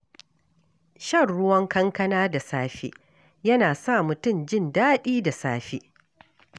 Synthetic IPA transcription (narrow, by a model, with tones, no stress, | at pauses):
ʃɐ˦˨rɽʊ˦wɐ˦ŋkɐ˦ŋkɐ˦naː˦da˨saː˦ɸḛː˦ | jɐ˦naː˨sa˦˨mʊ˨tʊ˦˨md͡ʒɪ˦˨ndaː˦ɗiː˦da˨saː˦ɸe˦ʔ